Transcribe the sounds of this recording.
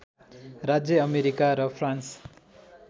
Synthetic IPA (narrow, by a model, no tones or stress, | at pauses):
rad͡zjʌʌmeɾikaɾʌpʰrans